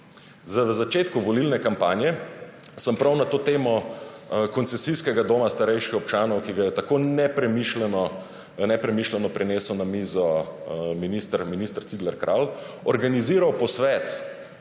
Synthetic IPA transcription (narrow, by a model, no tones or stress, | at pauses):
zəʋzat͡ʃeːt̪kuʋɔlilnɛkampaːnjɛsəmpɾawnat̪oːt̪eːmɔ | kɔnt̪sɛsiskɛɡad̪oːmast̪aɾɛjʃkixɔp̚t͡ʃaːnɔwkiɡajɛt̪akoːnɛpɾɛmiʃlɛnɔ | nɛpɾɛmiːʃlɛnɔpɾɛneːsɔwnamiːzɔminist̪əɾminist̪ɾt̪sid̪lɛɾkɾʔal | ɔɾɡaniziːɾawpɔsʋɛːt̪